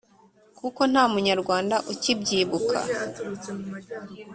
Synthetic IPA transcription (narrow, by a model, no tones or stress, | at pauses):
kuko̞n̥haːmuɲaɾɡwaːndaʔucibɟiːβukʰa̰